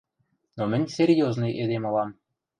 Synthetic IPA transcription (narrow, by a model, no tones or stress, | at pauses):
nomɘ̆nʲserʲjoznɤjʔed̪emolɑm